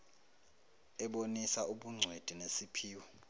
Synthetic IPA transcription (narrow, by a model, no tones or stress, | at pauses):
ɛɓonisauɓuŋ͡ǀʱwed̥ʱinesipʰiːwɔ